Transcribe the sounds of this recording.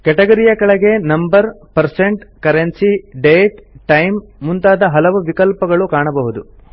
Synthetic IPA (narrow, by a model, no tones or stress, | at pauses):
kɛʈɐɡɐɾijɐkɐɭɐɡe̞nɐmbɐɾpɐɾseɳʈkɐɾensiɖeːʈʈːɐjmːunt̪aːd̪ɐɦɐlɐʋuʋikɐlpɐɡɐɭukaːɳɐbɐɦud̪u